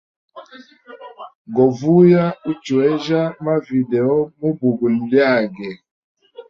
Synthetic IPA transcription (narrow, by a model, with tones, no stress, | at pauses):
ɡɔ˨vu˦ja˦u˦t͡ʃu˨ɛ˦ʒa˦ma˦vi˨dɛ˨ɔ˦mu˦bu˨ɡu˨lja˦˨ɡɛ˨